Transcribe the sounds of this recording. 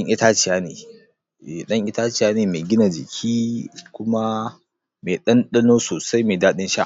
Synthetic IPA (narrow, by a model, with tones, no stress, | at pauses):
ɐ˦ŋʔɪ˦taː˦t͡ʃɪ˨jaː˦nḛː˨ | e˨ɗɐ˦ŋʔɪ˦ta˦t͡ʃɪ˨jaː˦neː˨meː˨ɡʲɪ˦na˨d͡ʒɪ̰˨kʲʰiː˦kʷʊ˦ma˦ | me˨ɗɐ˦nɗɐ˦noː˦soː˨sa˦jmeː˨daː˦ɗɪ˦nʃa̰˦˨